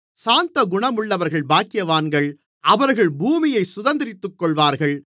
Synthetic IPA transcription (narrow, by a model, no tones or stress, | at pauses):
saːnt̪ɐɡʊɳɐmɯɭːɐʋɐɾɣɐɭbaːkɪjɐʋaːnɡɐɭ | ʔɐʋɐɾɣɐɭbuːmɪjɐɪsʊðɐnd̪ɪɾɪt̪ːɯkːɔɭʋaːɾɣɐɭ